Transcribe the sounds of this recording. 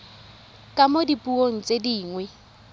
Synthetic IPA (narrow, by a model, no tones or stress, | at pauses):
kʼamodipʼuoŋ̩t͡sʼediːŋwɛ